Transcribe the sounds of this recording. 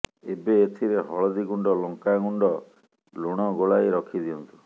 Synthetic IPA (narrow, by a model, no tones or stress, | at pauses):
ebeːt̪ʰiɾeɦɔɭɔd̪iɡuɳɖɔlɔŋkaɡuɳɖɔ | luɽ̃ɔɡoɭajɾɔkʰid̪iɔnt̪u̥